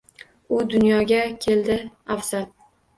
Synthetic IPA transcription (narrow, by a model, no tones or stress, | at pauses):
ʊd̪ʊnjɒɡʲakʲʰe̞ld̪ɪafsat̪̚